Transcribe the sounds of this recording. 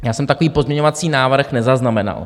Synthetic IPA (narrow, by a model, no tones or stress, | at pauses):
jaːsɛmt̪ako̞viːpozmɲɛɲovat͡siːnaːvɾ̩xnɛzaznamɛna̰l